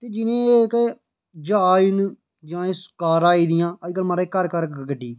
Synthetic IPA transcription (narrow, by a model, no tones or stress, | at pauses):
t̪eːd͡ʒɪnẽːek | d͡ʒaːɪn | d͡ʒãːeːskaːɾaːiːd̪ɪjãːəd͡ʒɪkəlmaːɾɪkːəɾkəɾkɡəɖiː